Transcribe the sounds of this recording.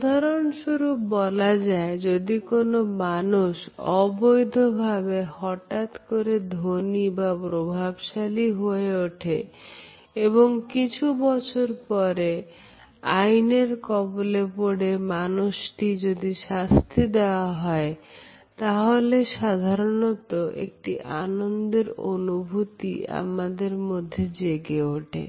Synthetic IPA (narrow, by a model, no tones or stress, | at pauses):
d̪ʱaɾonʃuɾubɔlad͡ʑaed͡ʑod̪ikonomanuʃɔbojd̪ʱobʱabehɔʈat̪koɾed̪ʱonibapɾobʱabʃaliɦoeoʈʰḛ | eβoŋkit͡ɕʰubɔt͡ɕʰoɾpɔɾe | ajneɾkɔbolepoɽemanuʃʈid͡ʑod̪iʃast̪ʰid̪eoaɦɔe | t̪aɦoleʃad̪ʱaɾonot̪oʔḛk̚ʈiʔa̰nond̪eɾo̰nubʱut̪ḭa̰mad̪eɾmod̪ʱːed͡ʑeɡeoʈʰḛ